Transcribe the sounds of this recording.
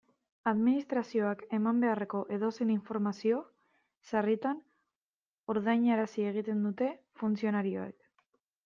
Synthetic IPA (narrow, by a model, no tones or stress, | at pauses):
aðminist̪ɾasio̞ake̞mambe̞are̞ko̞ʔe̞ðo̞seniɱfo̞ɾmasio̞ | sarit̪an | oɾðajɲaɾasie̞ɣ̞it̪e̞nd̪ut̪e̞ | funt͡sio̞naɾio̞̰ḛk